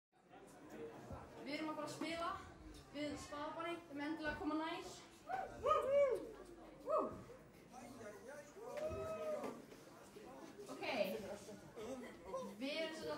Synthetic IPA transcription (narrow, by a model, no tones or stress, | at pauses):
vɪðɾʏmapaːɾaspɪːlavɪðst̪aːðapanɪɛmɛnt̪ɪlɛːɣakʰɔːmːanaːjs | owkʰej | vɪa